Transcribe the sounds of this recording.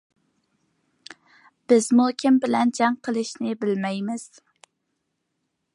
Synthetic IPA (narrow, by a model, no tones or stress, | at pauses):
b̥ɪz̥mukʲʰɪmbɪlɛnd͡ʒɑŋqʰəlˠɪʃnɪbɪlmɛjmɪz̥